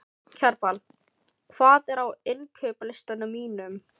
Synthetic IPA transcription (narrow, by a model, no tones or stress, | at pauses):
cʰœɾpal | kʰv̥aːðɛɾawɪncʰœːplɪst̪anːʏmiːnʏm